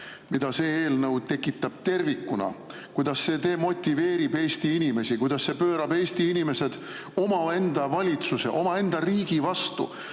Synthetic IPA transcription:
mid̪ɑse̞ːeːlnɤwt̪e̞kːˑit̪ːˑɑb̥t̪e̞rvikːunɑ̰kujd̪̥ɑsːe̞ːt̪e̞ːmo̞t̪ʲːˑive̞ːɾibe̞ːst̪iinime̞sikujd̪ɑsːe̞pøːɾɑbe̞ːsʲt̪iinime̞se̞d̪̥ | o̞mɑe̞nd̪̥ɑvɑlʲit̪suse̞̰ʔo̞mɑe̞nd̪̥ɑriːɡ̥ivɑst̪ṵ

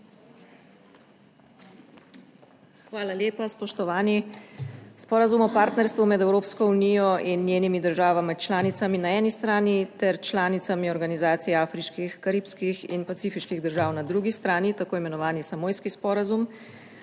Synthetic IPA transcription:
xʋaːlaljeːpaspɔʃt̪ɔʋaːni | spɔːɾazumɔpaːɾt̪nɛɾst̪ʋumɛd̪ɛwɾoːpskɔunijɔʔinːjeːnimid̪əɾʒaːʋamit͡ʃlaːnit̪saminaɛːnist̪ɾaːnit̪ɛɾt͡ʃlaːnit̪samiɔɾɡanizaːt̪sijɛaːfɾiʃkixkaɾiːpskixḭnpat̪siːfiʃkiɣd̪əɾʒaːwnad̪ɾuɡist̪ɾaːnit̪akoːimɛnɔʋaːnisamoːjskispɔɾazum

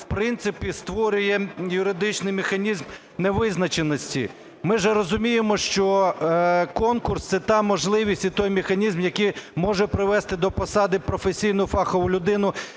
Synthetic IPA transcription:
wpɾɪnt̪sɪpʲist̪ʋɔɾʲʊjɛjʊɾɪd̪ɪt͡ʃnɪjmexɐnʲizm | neʋɪznɐt͡ʃenɔsʲtʲḭ | mɪʒɛɾɔzʊmʲijemɔʃt͡ʃɔ | kɔnkʊrst̪sɛt̪ɑmɔʒlˠɪʋʲisʲtʲit̪ɔjmʲexɐnʲizmjɐkijmɔʒɛpɾɪʋɛst̪ɪd̪ɔpɔsɑd̪ɪpɾɔfesʲijn̪ɔfɑxɔʋʊlʲʊd̪ɪnʊ

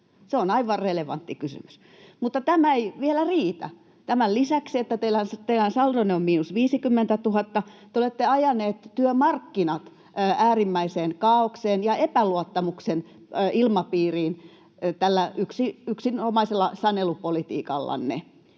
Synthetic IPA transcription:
seonɑiʋɑreleʋɑ̰nt̪ːikysy̰my̥s | mut̪ːɑt̪æmæeiʋielæriːt̪æ̰ | t̪æmællisæksiet̪ːæt̪eilænst̪eilænsɑldoneommiːnusʋiːsikymːent̪æt̪uhɑt̪ːɑt̪eolet̪ːeɑjɑneːt̪t̪yømɑrkːinɑt̪ː | æːrimːæiseːnkɑːokseːnjɑepæluot̪ːɑmuksen | ilmɑpiːriːn | t̪ælːæʔyksiyksinhomɑiselːɑsɑnelupolit̪ḭːkɑ̰lːɑ̰nnḛ

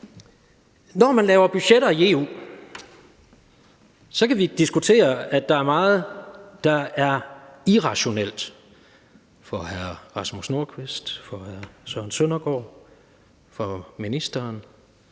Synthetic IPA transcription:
nɒmænlɛːʊɐb̥yɕeɾɐie̝ːṵː | sɒ̽kʰæʋid̥isɡ̥ut͡sʰe̝̰ːɐæ̥ɑ̈æɐmɑ̈ːð̩ˠd̥ɑ̈æɐiʁɑ̈ɕo̝nel̰d̥ | fɒhæɐʁɑ̈smusno̝ɐ̰kʰʋesd̥fɒ̽hæɐsœnsønɐɡ̥ɒ̰ː | fɒminisd̥ɐːn

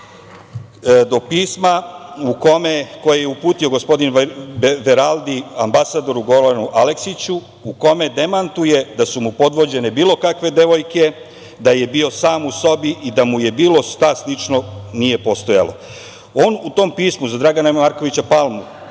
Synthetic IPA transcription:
d̪o̞piːsmauko̞meko̞jejeupuːt̪io̞ɡo̞spo̞d̪inʋeɾalˠd̪iambasad̪o̞ɾuɡo̞lanuʔale̞ksit͡ɕu | uko̞me̞d̪e̞mant̪uje̞d̪asumupo̞d̪ʋo̞d͡ʑe̞ne̞biːlˠo̞kakʋe̞d̪e̞ʋo̞jke̞ | d̪aje̞bio̞saːmuso̞biʔid̪amuje̞biːlˠo̞ʃt̪aslit͡ʃno̞nije̞po̞st̪o̞ja̰lo | oːnut̪o̞ːmpiːsmuzad̪ɾaɡanamaɾko̞ʋit͡ɕapalˠmu

